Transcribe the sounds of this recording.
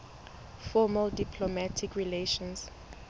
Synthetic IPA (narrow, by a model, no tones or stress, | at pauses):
fɔməldipʰlomatʰikʰɹileʃɔ̃ns